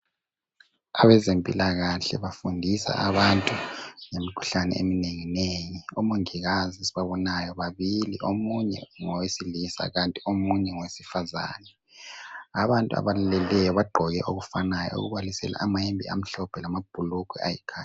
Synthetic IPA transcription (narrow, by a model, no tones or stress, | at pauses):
aβɛzempʼilaɣaɬɛ̰βafundʱisa̰ʔaβantʼuŋemikʰu̥ɬanɛ̰ḛmineŋinejiomuŋiɣaziesiβaβɔnajɔβaβiliʔomuɲɛ̰ŋɔwesilisa̰ɣantʼiomuɲɛŋɔwesi̥faza̰ːnɛ | aβantʼua̰βalalɛlɛjɔβaɡ͡ǃʱɔɣɛʔoɣufanajɔ̰ṵɣuβalisɛla̰ʔːmaembʱḭa̰m̩ɬɔb̥ʰʱɛlamab̥ʱulukʰwɛa̰jikʰaːa